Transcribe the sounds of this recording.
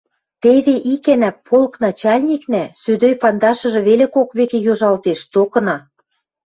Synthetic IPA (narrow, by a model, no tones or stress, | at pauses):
t̪eβeʔikænæpʰːolɤknɑt͡ɕɑlʲnʲiknæsød̪øjpɑnd̪ɑʃɤ̆ʒĕβelekokβekejoʒɑlt̪eʃt̪okɤ̆nɑ